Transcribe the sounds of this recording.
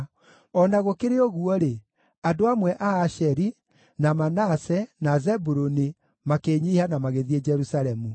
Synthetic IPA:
ɔnaɣokeɾeoɣuɔɾe | adoamwɛʔaːʃɛɾi | namanasɛnazɛbuɾoni | makeːɲihanamaɣeðied͡ʒɛɾusaɾɛmu

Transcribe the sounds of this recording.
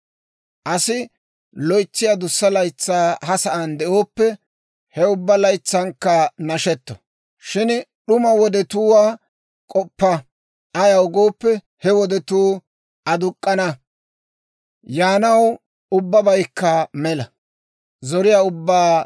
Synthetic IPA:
ʔɐsɪ | lɔjt͡sːɪjad̪ʊsːɐlɐjt͡sːaːhɐsɐʔɐnd̪ɛʔoːpːɛ | hɛʊbːɐlɐjt͡sːɐŋkːɐnɐʃɛt̪ːɔ̥̰ | ʃɪnɗʊmɐwɔd̪ɛt̪uːwaː | kʼɔpːɐ | ʔɐjɐʊɡoːpːɛ | hɛwɔd̪ɛt̪uː | ʔɐd̪ʊkʼːɐnɐ | jaːnɐw | ʊbːɐbɐjkːɐmɛlɐ | zɔɾɪjaːʊbːaː

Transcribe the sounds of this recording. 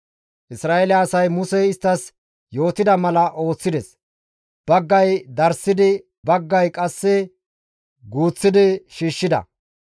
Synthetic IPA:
ʔɪsɾaːelɛːsɐjmʊsɛɪst̪ːɐs | jo̞ːt̪ɪd̪ɐmɐlɐʔo̞ːt͡sːɪd̪ɛs | b̥ɐɡːɐjd̪ɐɾsɪd̪ɪ | bɐɡːɐjkʼɐsːɛ | ɡuːt͡sːɪd̪ɪʃiːʃːɪd̪ɐ̰

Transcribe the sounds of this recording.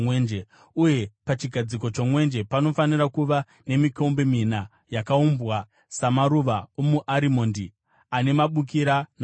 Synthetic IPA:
wend͡ʒe | uje̞pat͡ʃiɡʱad͡ziko̞t͡ʃo̞mwe̞nd͡ʒe̞pano̞fanirakuʋa | ne̞mikoumbe̞mina | jakaumbwa | samaɾuʋaomuʔaɾimo̞ːndi | ane̞maɓuk̬iɾan

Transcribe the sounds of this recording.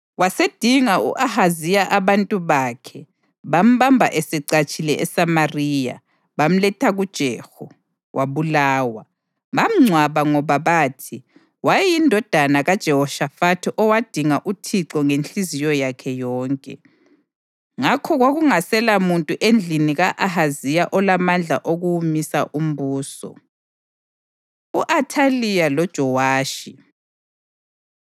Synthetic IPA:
wased̥ʱiŋaṵʔahazijaʔaβantʼuβakʰɛ | βam̩βambʱa̰ʔesɛǀat͡ʃʼilɛʔɛsamariːja̰ | βam̩lɛtʰaɣud̥ʒ̥ʱɛːxɔ | wʔaβulaːwa | βam̩ŋ͡ǀʱwaβaŋɔβaβaːtʰi | wajindʱɔd̥ʱanaɣad̥ʒ̥ʱɛhɔʃafatʰiʔɔwad̥ʱiŋaʔutʰiǁɔŋent͡ɬʼizijɔjakʰɛjɔːŋkʼɛ | ŋakʰɔɣwaɣuŋasɛlamuntʼuʔend͡ɮʱiniɣaʔahazijaʔɔlamand͡ɮʱa̰ʔoɣuwumisaʔum̩βuːsɔ̰ | uʔatʰalijalɔd̥ʒ̥ʱɔwaːʃi

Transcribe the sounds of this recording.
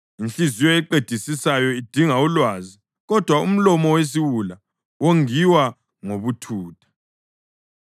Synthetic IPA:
inɬizijɔɛǃed̥ʱisisajɔid̥ʱiŋaulwazi | ɣɔd̥ʱwaum̩lɔmɔwes̬iwula | woŋiwa | ŋoβutʰuːtʰḁ

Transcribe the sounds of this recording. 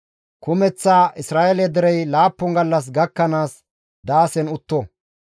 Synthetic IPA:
kʊmɛt͡sːaːʔɪsɾaːʔɛlɛd̪ɛɾɛjlaːpːʊŋɡɐlːɐs̬ɡɐkːɐnaːs | d̪aːsɛnʊt̪ːɔ

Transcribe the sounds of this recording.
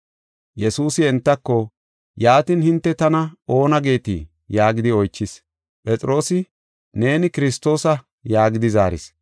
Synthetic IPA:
jɛsuːsɪɛnt̪ːɐkːɔ | jaːt̪ɪnhɪnt̪ːɛt̪ɐnɐo̞ːnɐɡe̞ːt̪ḭː | jaːɡɪd̪ɪɔjt͡ʃːɪs | pʼɛt͡sʼɪɾo̞ːsɪ | ne̞ːnɪkɪɾɪst̪o̞ːsɐ | jaːɡɪd̪ɪzaːɾɪ̰s

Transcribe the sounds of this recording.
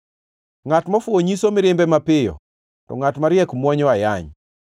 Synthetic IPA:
ŋatmafwoɲisomɪɾɪmbɛmapɪjɔ̰ | tɔ̰ŋatmaɾjɛkmwɔɲɔajaɲ

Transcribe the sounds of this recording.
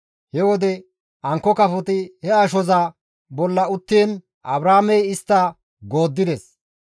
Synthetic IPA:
hɛwɔd̪ɛ | ɐŋkːɔkɐfɔt̪ɪhɛɐʃɔzaː | bɔlːɐʊt̪ːiːn | ʔɐbɾaːmɛjɪst̪ːɐ | ɡoːd̪ːɪd̪ɛs

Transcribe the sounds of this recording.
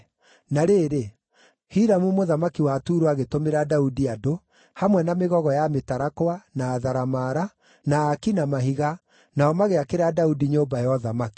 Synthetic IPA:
naɾeːɾe | hiɾamumoðamakiwatuːɾoaɣetomeɾadaudiado | hamwɛnameɣɔɣɔjametaɾakwanaːðaɾamaɾa | naːkinamaɦiɣa | naɔmaɣeakeɾadaudiɲoːmbajɔðamaki̥

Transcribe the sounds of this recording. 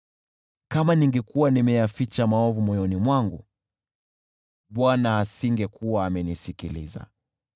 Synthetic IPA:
kamaniŋɡɛkuwanimɛjafit͡ʃamaɔvumɔjɔnimwaŋɡu | ɓwanaːsiŋɡɛkʰuwaːmɛnisikilḭza̰

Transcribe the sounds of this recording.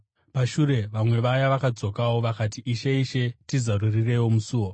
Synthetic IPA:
paʃuɾe̞ʋamwe̞ʋajaʋakad͡zo̞kawo̞ʋakatiʔːʃe̞iʃe̞tizarurire̞wo̞musuːwo

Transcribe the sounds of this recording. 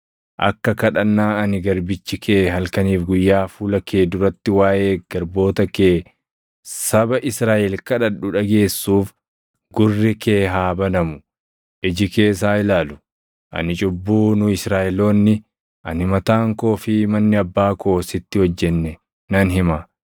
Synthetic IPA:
ʔɐ̰kːɐkɐᶑɐnːaːɐnɪɡɐɾbɪt͡ʃːɪkʰeːɦɐlkɐniːfɡʊjːaːfuːlɐkʰeːd̪ʊɾɐt̪ːɪwaːʔe̞ːɡ̥ɐɾbo̞ːt̪ɐkeː | sɐbɐʔɪsɾaːʔɛlkɐᶑɐᶑʊᶑɐɡe̞ːsːuːf | ɡʊrːɪkeːɦaːbɐnɐmʊ | ʔɪd͡ʒɪke̞ːs̬aːɪlaːlʊ̥ | ʔɐ̰nɪt͡ʃʼʊbːuːnʊɪsɾaːʔɪlo̞ːnːɪ | ʔɐnɪmɐt̪aːŋko̞ːfɪmɐnːɪɐbːaːko̞ːsɪt̪ːɪhɔd͡ʒːɛnːɛ | nɐnɦɪmɐ

